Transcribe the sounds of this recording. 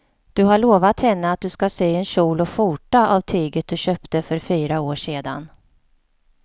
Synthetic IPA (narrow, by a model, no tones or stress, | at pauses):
d̪̥ɵɦaɭoːvat̪hɛnːəat̪̚d̪ɵskaseːɛnɕuːlɔfuːʈaʔavt̪ʰyːɡət̪̚d̪ɵɕøːpt̪əfœɾfyːɾaoːʂeːd̪a̰n